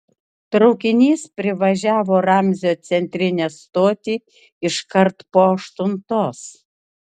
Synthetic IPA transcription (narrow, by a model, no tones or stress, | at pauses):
t̪ɾɒʊkʲɪnʲiːspʲɾʲɪʋɐʒʲæːʋoːɾɑmʲzʲoːt̪sʲɛnʲt̪ʲɾʲɪnʲest̪oːt̪ʲiː | ɪʃkɐɾt̪poːɐʃt̪ʊnt̪oːs